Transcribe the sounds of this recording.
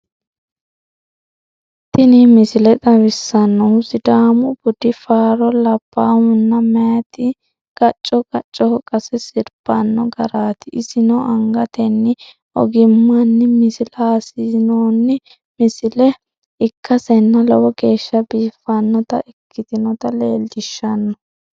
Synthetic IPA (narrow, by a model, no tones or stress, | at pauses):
t̪ɪnɪmɪsɪlɛt̪ʼɐβɪsːɐnːɔwsɪd̪aːmʊb̥ʊd̪ɪfaːɾɔlɐb̥ːaːwʊnːɐmɛjɐt̪ɪ | ɡ̥ɐt͡ʃʼːɔkʼɐt͡ʃʼːɔɔkʼɐsɛsɪɾb̥ɐnːɔɡɐɾaːt̪ɪʔɪsɪnɔʔɐŋɡɐt̪ɛnːɪ | ɔ̰ɡɪmːɐnːɪmɪsɪlaːsɪnoːnːɪ | mɪsɪlɛ | ɪkʰːɐsɛnːɐlɔwɔɡe̞ːʃːɐbiːfɐnːɔt̪ɐʔɪkːɪt̪ɪnɔt̪ɐlḛːld̪ɪʃːɐnːɔ